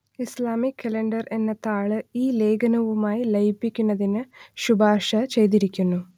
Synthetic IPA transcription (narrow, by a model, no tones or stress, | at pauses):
islaːmikʲʰːɐleɳɖɐre̞nːet̪ːaːɭɨiːle̞ːɡɐnɐʋumaːjilɐjpːikʲːunːɐðinɨɕubʱaːʂɐt͡ɕe̞jt̪̬iɾikʲːunːu